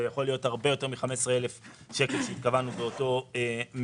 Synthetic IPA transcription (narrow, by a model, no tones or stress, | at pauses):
ejaχo̞lijo̞thaʁbe̞jo̞te̞ʁmiχame̞sʁeelef | ʃe̞kelʃeit̪̚kavanubeo̞to̞em